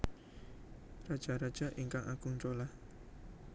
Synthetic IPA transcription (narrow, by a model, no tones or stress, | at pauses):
rad̥ʒ̥aɾad̥ʒ̥a̤ʔiŋkaŋaɡuŋt͡ʃolah